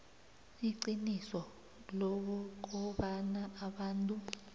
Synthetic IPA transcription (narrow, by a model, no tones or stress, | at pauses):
iǀinisɔ | lok̬ɔk̬ɔɓanaːɓaːntʼu